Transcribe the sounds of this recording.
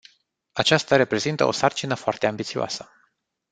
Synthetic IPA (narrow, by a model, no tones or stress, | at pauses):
at͡ʃast̪aɾe̞pɾe̞zint̪əo̞̰sart͡ʃinəfoart̪eambit̪sioa̰sə